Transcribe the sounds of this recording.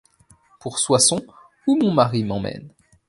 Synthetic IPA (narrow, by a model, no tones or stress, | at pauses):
puʁswasɔ̃ | umɔ̃maʁimɑ̃mɛ̰n